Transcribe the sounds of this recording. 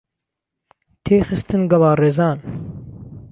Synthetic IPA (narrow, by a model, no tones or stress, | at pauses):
t̪ʰeːxɨst̪ɨnɡɐlɑːreːzɑːn